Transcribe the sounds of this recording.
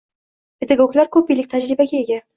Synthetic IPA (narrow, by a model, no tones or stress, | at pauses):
pɪd̪aɡoklaɾkʰɵp̚ilɪk̚ʲt̪ʰad͡ʒɾibaɡʲaeɡʲæ